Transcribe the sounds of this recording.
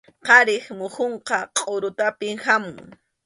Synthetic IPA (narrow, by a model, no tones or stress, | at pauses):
qɑɾɪχmʊhoɴqɑqʼoɾʊt̪apɪŋhamʊŋ